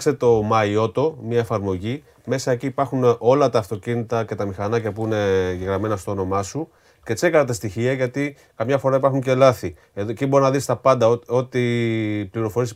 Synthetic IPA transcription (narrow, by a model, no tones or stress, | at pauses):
kse̞t̪o̞mɐio̞t̪o̞mɲɐefɐɾmo̞ʝi | me̞sɐeciːpɐɾxuno̞lɐt̪ɐːft̪o̞cinit̪ɐce̞t̪ɐmixɐnɐcepuine̞ɟeɣɾɐme̞nɐst̪oono̞mɐsu | ce̞t͡se̞kɐnɐt̪ɐst̪içiɐʝɐt̪i | kɐmɲɐfo̞ɾɐipɐɾxuɲce̞lɐθi | eðoecibo̞ɾinɐðist̪ɐpɐnd̪ɐoo̞t̪ipliɾo̞fo̞ɾis